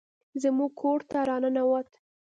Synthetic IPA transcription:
zəmuɡ̚kʰoɽt̪aɾɑnənawat̪

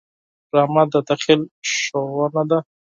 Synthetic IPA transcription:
ɾamad̪ad̪aχɪlʃowanad̪a

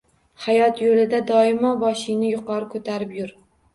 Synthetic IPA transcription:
hajɒt̪jolɪd̪ad̪ɒɪmɒbɒʃɪnɪjʊqʰɒɾɪkʰɵt̪ʰaɾɪpjʊɾ

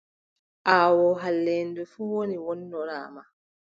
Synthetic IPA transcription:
ʔaːwɔɦalːɛndɛfuwoniwɔnːɔɾaːma

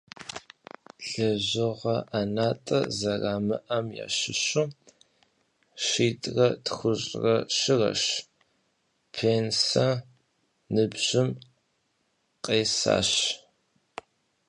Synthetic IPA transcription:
ɬɐʑɨʁɐʔanaːtʼɐ̰zɐraːmɨʔɐmja̰ːʃɪɕuː | ʃiːtʼrɐtxʷʊɕʼrɐʃɪrɐ̰ʃ | pʰeːnsa | nɨbʑ̥ɪm | qʼeːsa̰ːɕ

